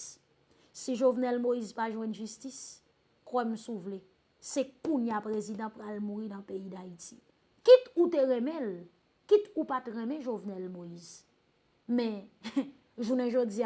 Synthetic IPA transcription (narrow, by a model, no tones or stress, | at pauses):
siʒovnɛlmoizpaʒwɛ̃nʒystis | kwɛm̩suvle | sɛkũnjapʁezid̪ãpɣalmuɣidãpeid̪aiti̥ | kituteɣɛ̃mɛ̃l | kit̪upatɣɛ̃mɛ̃ʒovnɛlmoiz | mɛ̃ | ʒunɛ̃ʒod͡zia